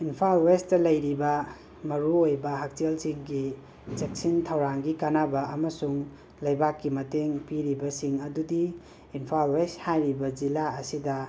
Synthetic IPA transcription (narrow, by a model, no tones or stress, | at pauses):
inpʰalwestɐlɐjɾibɐ | mɐɾuojbɐɦak̚telsiŋɡi | d͡ʒek̚sintʰɐwɾaŋɡikanabɐɐmɐsuŋ | lɐjbakːimɐteŋpiɾibɐsiŋɐdudiː | npʰalwesthajɾibɐd͡ʒilaɐsidɐ